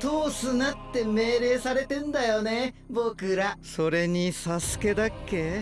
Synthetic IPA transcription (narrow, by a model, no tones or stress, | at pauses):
t̪oːsɨnat̪ːe̞me̞ːɾe̞ːsaɾe̞t̪ẽ̞nd̪ajo̞ne̞ | bo̞kɯ̟ɾaso̞ɾe̞ɲ̟isasɨ̥ke̞d̪akːe